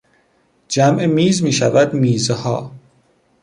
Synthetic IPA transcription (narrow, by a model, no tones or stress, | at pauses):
d͡ʒæmʔemiːzmiːʃævæd̪miːzhɒ̰ː